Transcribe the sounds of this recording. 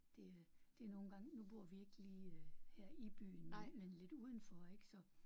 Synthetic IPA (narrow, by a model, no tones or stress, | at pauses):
d̥e̝d̥e̝æɐno̝ːn̩ɡ̥ɑ̈ŋnub̥o̝ɐ̰ʋie̝ɡ̥liːhæɐ̰ib̥y̰ːn̩memenle̝d̥uːð̞ˠn̩fɒ̽e̝ɡ̥sɒ̽